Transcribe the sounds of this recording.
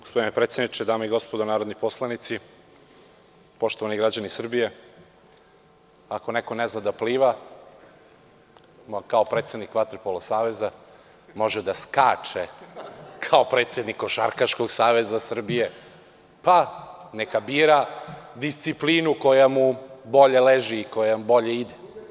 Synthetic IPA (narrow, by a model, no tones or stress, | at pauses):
ɡospo̞d̪inepɾet̪sjed̪nit͡ʃed̪aːmoiɡo̞spod̪onaːɾo̞d̪niposlˠanit̪si | po̞ʃt̪oʋaniɡɾad͡ʑanisr̩bije̞ | ako̞neko̞neznad̪apliːʋa | kaopɾeːt̪se̞d̪nikʋat̪ɾpolosaːʋe̞za | mo̞ʒed̪askaːt͡ʂe | kʰaopɾeːt̪se̞d̪nikoʃa̰ɾkaʃko̞ɡsaːʋezasr̩bije | panekabiːɾad̪ist̪siplinuko̞jamubo̞ʎeleʒiːko̞jambo̞ʎeid̪e